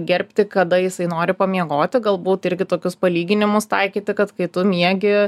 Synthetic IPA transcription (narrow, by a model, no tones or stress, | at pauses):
ɡʲɛɾʲpʲt̪ʲɪkɐd̪ɐjɪsɐɪnoːɾʲɪpɐmʲiɛɡoːt̪ʲɪɡɐlˠbuːt̪ɪɾʲɡʲɪt̪oːkʲʊspɐlʲiːɡʲɪnʲɪmʊst̪ɐɪkʲiːt̪ʲɪkɐt̪kɐɪt̪ʊmʲiɛɡʲɪ